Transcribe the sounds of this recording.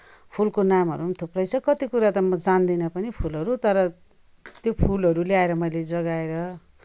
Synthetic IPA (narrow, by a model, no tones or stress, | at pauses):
pʰulkonamɦʌ̰ɾumt̪ʰuprʌjt͡sʰʌkʌt̪ikuɾat̪ʌmʌd͡zand̪inʌpʌnipʰulʌɾut̪ʌɾʌ | t̪jopʰulɦʌɾuleaeɾʌmʌjled͡zʌɡaeɾʌ